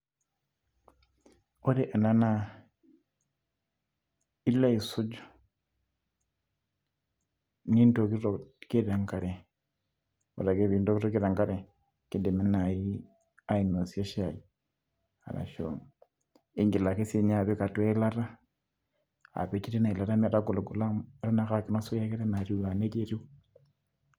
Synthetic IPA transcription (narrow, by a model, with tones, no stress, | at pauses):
o˦ɾe˦ʔa˨na˦na˦ | i˦la˦i˨su˦d͡ʒo̥˦ | ni˦nto˨ki˦ɾo˨ke˦ɾa˨ŋka˨ɾe˨ | o̰˨ɾa˨ke˦βi˨ndo˦ki˦ɾo˦ke˦ɾa˨ŋɡa˦ɾe˨ | ki˦de˨me˦na˨ji˦ | aino˨sie˦ʃa˨ji | a̰˨la̰˨ʃo̰ŋ | i˦ŋɡi˨la˨ke˦seɲa˨βe˦ka˨twe˦i˦la˦ɾa˦ | a̰˨βe˦t͡ʃi˦ɾe˦na˨i˨la˨ɾa˦mi˦a˨ɾaɡo˨lo˨ɡu˨la˦ma˦ɾa˦na˦xa˨ki˦na˦so˦ja˦ke˦ɾe˦na˨ɾi˨la˨ne˦t͡ʃe˦ɾi˦w